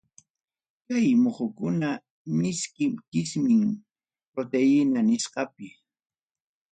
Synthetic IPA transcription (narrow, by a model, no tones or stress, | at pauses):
kajmoχʊkʊna | mɪskɪmkɪsmɪŋ | pɾot̪ejɪnanɪsqɑpɪ